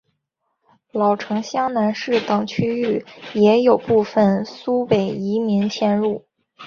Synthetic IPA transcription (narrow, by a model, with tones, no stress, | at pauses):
lɑ˨˩ʊʈ͡ʂʰɤ˧˥ŋɕjɑ˥ŋna˧˥nʂɻ̩˥˩t̪ɑ˨˩ŋt͡ɕʰy˥y˥˩jɛ˧˥jo˨˩ʊpu˥˧fə˨˩nsu˥pe˨˩ɪi˧˥mi˧˥ŋt͡ɕʰjɛ˥˧nɻu˥˩